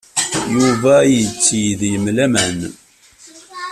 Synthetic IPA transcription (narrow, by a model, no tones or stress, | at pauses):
juvæjət͡sːjəðjəmlæmən